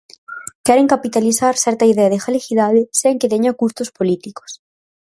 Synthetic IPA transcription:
kɛɾeŋkapit̪aliθaɾsɛɾt̪aiðɛaðexalexiðaðeseŋket̪eɲakust̪ospolit̪iko̥s

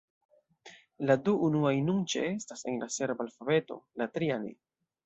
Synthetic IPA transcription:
laduunuajnunt͡ʃḛe̞stase̞̰nlase̞ɾbalfabe̞to̞̰latɾianḛ

